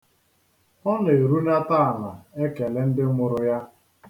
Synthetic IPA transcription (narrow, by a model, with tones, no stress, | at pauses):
ɔ˦n˨e˨ɾu˦na˦ta˦a˨na˨e˦ke˨le˦n̩˦dɪ˦ŋʷʊ˦ɾʊ˦ja˦